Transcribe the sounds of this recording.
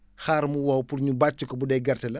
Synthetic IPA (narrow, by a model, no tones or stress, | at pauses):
xaːɾmuwɔwpurɲubat͡ʃːukɔbudɛɡɐrtɐlɐ